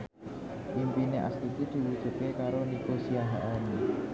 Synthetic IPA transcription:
pimpineʔa̰st̪it̪id̪̥i̤wud̥ʒ̥ṳt̪̚kekaɾonikosiaɦaʔani

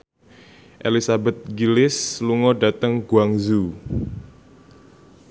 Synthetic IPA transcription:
ʔelisabɛt̪̚ɡilɪsluŋɔdat̪əŋɡ̥uaŋzu

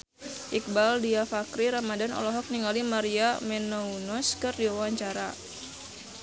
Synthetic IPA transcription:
ʔik̚baldiafakɾiɾamadanɔ̰lɔɦɔk̚niŋɡalimaɾiamɛnɔunɔskɨrdiwawaɲt͡ʃaɾa

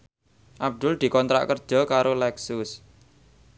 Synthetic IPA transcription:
ʔab̚d̪̥ʊld̪̥i̤kɔnt̪ɾa̰ʔkərd̥ʒ̥ɔ̤kaɾolɛksʊs

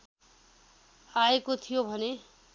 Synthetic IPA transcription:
aekot̪ʰijobʱʌne

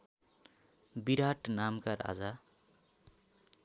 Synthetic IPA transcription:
biɾaʈnamkaɾa̰d͡za

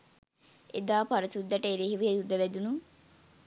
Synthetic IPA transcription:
ḛd̪aːpaɾɐsud̪ːəʈəeɾiɦiʋiejud̪ːəʋæd̪unuŋ

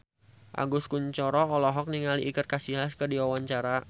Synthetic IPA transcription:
ʔa̰ŋɡuskuɲt͡ʃɔɾɔɔlɔɦɔk̚niŋaliʔikər̚kasilaskədiwawaɲt͡ʃaɾa

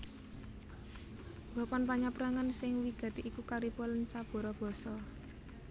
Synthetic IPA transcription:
b̥a̤pɔnpaɲɔpɾaŋənsɪŋwiɡ̥a̤t̪iʔikukaɾipɔlənt͡ʃab̥ɔ̤ɾɔb̥ɔ̤sɔ

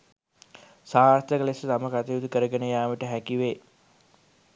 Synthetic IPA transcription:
saːrt̪əkəlesət̪aməkat̪iud̪ukəɾəɡenəjaːʋəʈəɦækiʋe

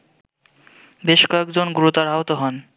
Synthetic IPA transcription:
beʃkɔekd͡ʑonɡuɾot̪aɾaɦot̪oɦɔn

